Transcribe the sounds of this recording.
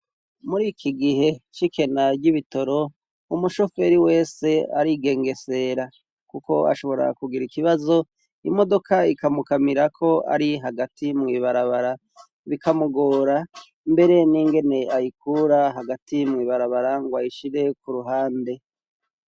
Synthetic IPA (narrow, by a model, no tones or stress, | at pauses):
muɾikʰiɡiɦe̞t͡ʃikʰe̞naɾɟiβito̞ɾo̞ | umuʃo̞fe̞ɾiwe̞ːse̞aɾiɡe̞ːŋɡe̞se̞ɾa | kuko̞a̰ʃo̞βo̞ɾa̰kuɡiɾikiβazo̞ | imo̞do̞kʰaikamukamiɾakʰo̞a̰ɾiɦaɡatʰimŋiβaɾaβaɾa | βikamuɡoːɾa | mbe̞ɾe̞niŋɡe̞ne̞ajikuɾaɦaɡatʰimŋiːβaɾaβaɾaŋɡwaiʃiɾe̞kuɾuɦaːnde̞